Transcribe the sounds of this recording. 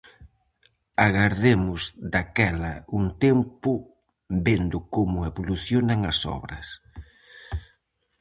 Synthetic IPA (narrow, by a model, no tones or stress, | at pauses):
aɣaɾðemʊzd̪akɛlɐuŋt̪empʊ | bend̪ʊkomʊeβoluθjonaŋɐsɔ̰βɾɐs